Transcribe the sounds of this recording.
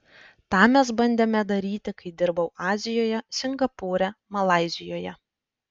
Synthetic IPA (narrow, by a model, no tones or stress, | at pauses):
t̪ɑːmʲɛsbɐnʲd̪ʲeːmʲɛd̪ɐɾʲiːt̪ʲɪkɐɪd̪ʲɪɾbɐʊʔɑːzʲɪjoːjɛsʲɪŋɡɐpuːɾʲɛmɐlˠɑˑɪzʲɪjoːjɛ